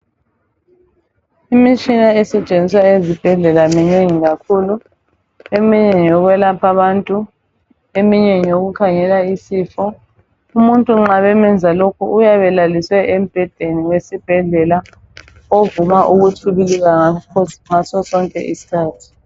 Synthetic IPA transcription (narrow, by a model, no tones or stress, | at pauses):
imit͡ʃʼinaɛsɛt͡ʃʼend͡zʱiswaezib̥ʱɛɮɛlamɛɲeŋiɣakʰuːlu | emiɲɛɲɔɣwɛlapʰaβantʼu | emiɲɛɲoɣukʰaŋɛlaisiːfɔ | umuntʼuŋ͡ǁaβɛmɛnd͡zʱalokʰṵʔujaβɛlaliswɛʔemb̥ʱɛd̥ʱeniwesib̥ʱɛɮɛla | ovumaʔuɣutʰuβiliɣaaɔŋasɔsɔŋkʼɛ̰ʔḭsi̥kʰaːtʰi̥